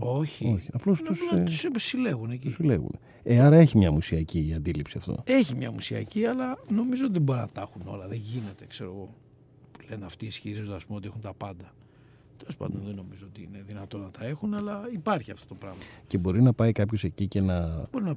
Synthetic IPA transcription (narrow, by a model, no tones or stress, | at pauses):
o̞çio̞çiɐplo̞st̪ust̪uspsile̞ɣuneciusilḛɣṵne | eɐɾɐe̞çimɲɐmusiɐciɐnd̪ilipsiɐft̪o̰e̞çimɲɐmusiɐ̰ciɐlɐno̞mizoot̪iðebo̞ɾinɐt̪ɐxuno̞̰lɐðeʝine̞t̪e̞kse̞ɾoɣo̞ | pulenɐft̪iːsçiɾizond̪ɐspumot̪ixunt̪ɐpɐnd̪ɐ | t̪elo̞spɐ̰nd̪o̞̰nðeno̞mizoot̪iine̞ðinɐt̪o̞nɐt̪ɐe̞xunɐlɐipɐɾçiɐft̪o̞t̪o̞pɾɐɣmɐce̞bo̞ɾinɐpɐikɐpço̞se̞cice̞nɐbo̞ɾinɐ